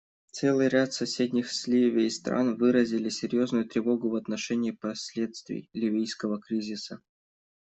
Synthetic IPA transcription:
t̪sɛlˠɨjɾʲat̪sɐsʲed̪ʲnʲɪxsʲlʲivʲɪəist̪ɾa̰nvɨɾəzʲɪlʲɪsʲɪɾʲjo̞znʊjʊt̪ɾʲɪvo̞ɡʊvɐt̪nɐʂɛnʲɪːpɐsʲlʲe̞t̪st̪vʲɪ̰jlʲɪvʲijskəvəkɾʲizʲɪsə

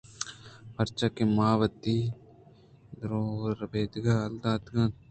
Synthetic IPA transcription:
pɐɾt͡ʃakimaːʋɐt̪i | d̪ɾoːɾɐbeːd̪iɡaɐld̪aːd̪ɡãn

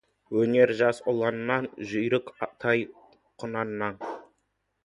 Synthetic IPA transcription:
wɵne̞ɾʒɑsʊlˠɑnənːɑnʒʏjɾɪkɑt̪ʰɑj | qʰʊnɑnnːɑn

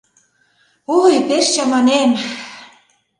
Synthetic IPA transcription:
ojpeʃt͡ɕɑmɑnem

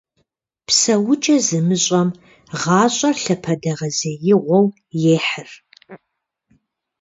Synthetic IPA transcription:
psɐwʊt͡ʃʼɐzɨmɨɕʼɐm | ʁɑːɕʼɐrɬɐpʰɐdɐʁɐzɐjɪʁʷɔw | jeːħɨr

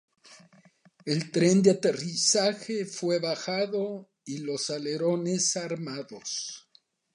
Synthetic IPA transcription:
e̞lt̪ɾe̞nd̪eat̪e̞risaxefwe̞βaxaðo | ilo̞sale̞ɾone̞saɾmaðo̞̰s

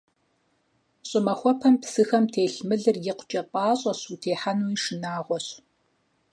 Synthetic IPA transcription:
ɕʼɪmɐxʷɔpʰɐmpsɨxɐmtʰeːɬmɨɮɨrjɪqʷt͡ʃʼɐpʷʼɑːɕʼɐsuːtʰeːħanujʂɨnaːʁʷɔɕ

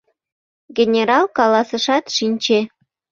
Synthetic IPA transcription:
ɡʲenʲeɾɑlkɑlɑsəʃɑt̪ʃinʲt͡ɕe

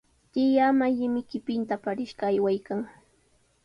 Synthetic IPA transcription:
t̪ɪjamajɪmɪkɪpɪnt̪apaɾɪʃɢɑːjwajkaŋ

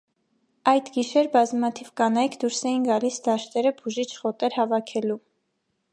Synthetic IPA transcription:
ɑjd̪ɡiʃɛɾbɑzmɑt̪ʰivkɑnɑjkʰd̪uɾsɛjinɡɑlisd̪ɑʃt̪ɛɾəbuʒit͡ʃʰχɔt̪ɛɾhɑvɑkʰɛlu

